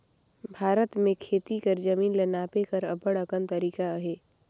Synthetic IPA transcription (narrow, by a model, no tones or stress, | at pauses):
bʱaːɾət̪mẽkʰeːt̪ikɐɾd͡ʒɐmiːnlɐnaːpekɐɾɐpəɽəkənt̪ɐɾiːkaɦeː